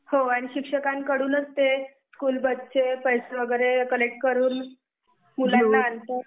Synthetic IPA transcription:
hoaɽ̃iɕikʂəkãnkəɽuːnəst̪e | skuːlbət̪ːt͡ɕepəjseʋəɡəjɾekəlek̚ʈkəɾuːn | mulanːaːnt̪u

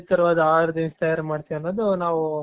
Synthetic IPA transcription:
t̪ɐɾʋaːd̪ɐaːɾɐd̪inst̪ɐjɐɾmaːɖt̪iʋjɐnːoːd̪unaːʋu

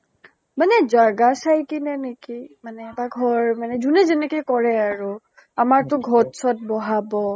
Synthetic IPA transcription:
manɛzaɡasajkinɛnekimanɛbaɡʱɔɹmanɛzunɛzɛnɛkɔjkɔɹɛaɹu | amaɹtʊɡʱɔtsʰɔt̚bɔɦabɔ

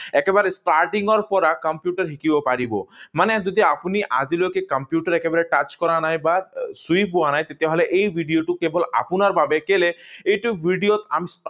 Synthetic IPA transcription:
ɛkebaɾesʈaɾʈiŋɔɾpɔɾakɔmpjuʈaɾɦikibɔpaɾibomaned͡ʒɔd̪iapuniʔa̰d͡ʒilokekɔmpjuʈaɾɛkebaɾeʈat͡ʃkɔɾanajbasujpbuanajt̪et̪eɦɔleʔejbʱiɖioʈukebɔla̰punaɾbabekeleejʈubʱiɖijot̪a̰mis

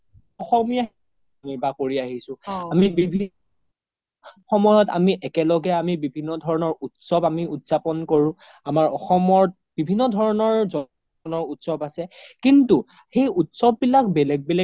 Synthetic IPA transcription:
ɔxɔmija | niɹbakoɹiaɦisʊ̃amibibʱi | xɔmɔjɔta̰miʔɛkɛlɔɡɛamibibʱinːɔdʱɔɹɔnɔɹutsɔbamiutz̥apɔnkoɹʊ̃ | amaɹɔxɔmɔɹt̚b̥ibʱinːɔdʱɔɹɔnɔɹzɔ | nɔɹutsɔbasɛkintu | xejutsɔbːilak̚bɛlɛɡ̚bɛlɛ

